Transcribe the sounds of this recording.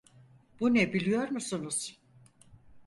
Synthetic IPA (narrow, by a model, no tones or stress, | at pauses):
b̥unɛbilʲijo̞ɾmusunuz̥